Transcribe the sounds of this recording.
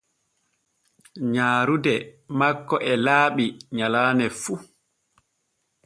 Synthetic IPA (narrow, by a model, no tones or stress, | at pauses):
ɲaːɾudɛmakːɔʔɛlaːɓiɲalaːnɛfu